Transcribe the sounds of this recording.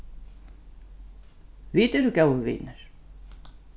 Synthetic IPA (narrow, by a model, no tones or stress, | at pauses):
viːt̪ɛɾʏcaːwʏvḭːnaɾ̥